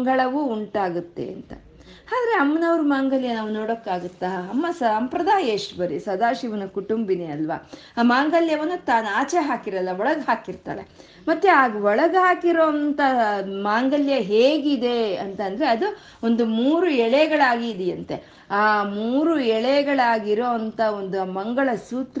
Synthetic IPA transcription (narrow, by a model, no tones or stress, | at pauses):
ŋɡɐɭɐʋuuɳʈaːɡut̪ːe̞̰ɐ̰nt̪ɐ̰ | aːd̪ɐɾe̞ɐmːɐnɐʋɾumaːŋɡɐljɐnaːʋunoːɽokːaːɡut̪ːaɐmːɐsɐmpɾɐd̪aːjɐʂʈbɐɾisɐd̪aːʃiʋɐnɐkuʈumbineɐlʋɐ̰ | maːŋɡɐljɐʋɐnːut̪aːnaːt͡ʃeɦaːkiɾɐlːɐɔɭɐɡɦaːkiɾt̪a̰ːɭe̞̰ | mɐt̪ːjeaːɡuʋɔɭɐɡɦaːkiɾoːɐnt̪ɐmaːŋɡɐljɐɦeːɡid̪e̞ɐnt̪ɐnd̪ɐɾeɐd̪u | o̞nd̪umuːɾuɛɭɛɡɐɭaːɡiːd̪ɛjɐnt̪ḛ | aːmuːɾuɛɭɛɡɐɭaːɡiɾo̞ːɐnt̪ɐo̞nd̪umɐŋɡɐɭɐsuːt̪